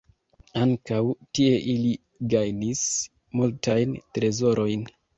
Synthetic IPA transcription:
aŋkawtie̞ʔili | ɡajnis | multʰajntɾe̞zo̞ɾʔo̞jn

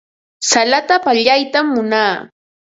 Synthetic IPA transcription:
salat̪apaʎajt̪amːʊnaː

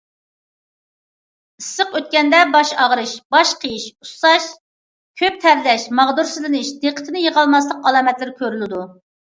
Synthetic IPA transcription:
ɨsːəqøt̪̚kʲɛnd̪ɛbɑʃɑʁɾɨʃbɑʃqʰəjiʃu̥sɑʃ | kʲʰøp̚t̪ʰæɾlɛʃmɑʁd̪uɾsɨzlɪnɨʃd̪eqʰə̥t̪ʰɪnɪjəʁɑlˠmɑslˠəqɑlˠɑːmɛt̪lɪɾkʲʰøɾylɪd̪u

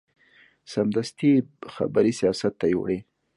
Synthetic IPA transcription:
samd̪ast̪ixa̰baɾisijɑsat̪ːajo̰ɽe

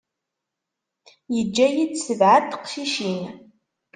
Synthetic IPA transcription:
jɪd͡ʒɐjɪdsɨbʕatʰqʃiːʃeːnɐ

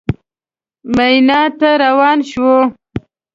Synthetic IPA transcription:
majnɑt̪aɾawɑːnʃwo

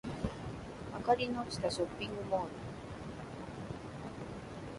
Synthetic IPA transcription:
a̰kaɾinot͡ɕi̥t̪aɕopːiŋɡɯmoːnu

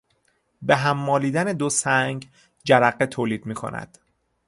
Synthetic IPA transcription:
beɦæmːɒːliːd̪æned̪osæŋɡ | d͡ʒæɾæɢːet̪ʰoːliːd̪̥miːkʰo̰næ̰d̪̥

